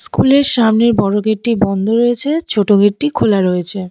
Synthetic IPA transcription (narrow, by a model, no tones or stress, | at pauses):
skuleɾʃamneɾbɔɾoɡekʈibɔnd̪ʱoɾojet͡ɕʰet͡ɕʰoʈoɡeʈikʰolaɾojet͡ɕʰe